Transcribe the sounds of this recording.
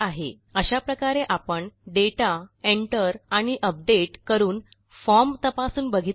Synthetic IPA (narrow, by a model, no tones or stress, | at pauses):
aɦḛ | əɕapɾəkaɾeʔapəɳɖeʈaeɳʈəɾaɽ̃iʔəp̚ɖeʈkəɾuːn | fɔɾmt̪əpasuːnbəɡʱi